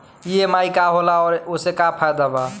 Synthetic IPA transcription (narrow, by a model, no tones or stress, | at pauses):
iemaikaɦolaɔːɾosekapʰajd̪aba